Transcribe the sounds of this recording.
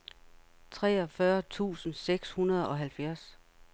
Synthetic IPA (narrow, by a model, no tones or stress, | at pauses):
t͡sʰʁɛ̰ːɒ̽fɶɐt͡sʰṵːsn̩seɡ̥shunɐð̞ˠɒ̽ɦælfjæɐ̰s